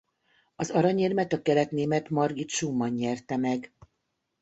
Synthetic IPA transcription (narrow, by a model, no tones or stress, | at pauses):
ɒzɒɾɒɲeːrmɛt̪ɒkɛlɛt̪neːmɛt̪mɒrɡit̪ʃumːɒɲːɛrt̪ɛmɛɡ